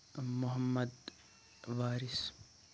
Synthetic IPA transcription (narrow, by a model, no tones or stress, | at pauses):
mʊɦɐmːɐd̪ | ʋaːɾis